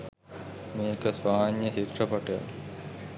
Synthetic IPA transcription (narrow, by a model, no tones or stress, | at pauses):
meːkɐsʋaːnjɐt͡ʃit̪rɐpɐʈja̰